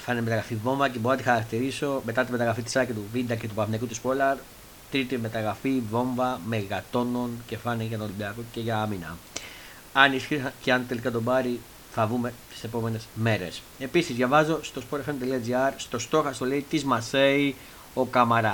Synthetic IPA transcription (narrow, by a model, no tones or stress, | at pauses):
fɐneme̞t̪ɐɣɾɐfivo̞ɱvɐceboonɐt̪ixɐɾɐkt̪iɾiso̞me̞t̪ɐt̪imeɐɣɾɐfit̪i̥sɐcit̪uvid̪ɐce̞t̪upɐfnekut̪ispo̞lɐɾ | t̪ɾit̪ime̞t̪ɐɣɾɐfivo̞ɱvɐmeɣɐt̪o̞no̞nce̞fɐneʝɐt̪olibiɐkoce̞ʝɐɐminɐ̰ | ɐnisçicɐnt̪e̞likɐt̪o̞bɐɾi | θɐvume̞t̪i̥se̞po̞me̞ne̞zme̞ɾe̞s | e̞pisizʝɐvɐzo̞st̪o̞spolɐfent̪eliɐd͡ziɐɾst̪o̞st̪o̞xɐst̪o̞le̞it̪izmɐse̞i | o̞kɐmɐɾɐ